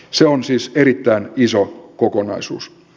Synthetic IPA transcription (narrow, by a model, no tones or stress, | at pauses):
seonsiːseɾit̪ːæinisokokonɑisṵːs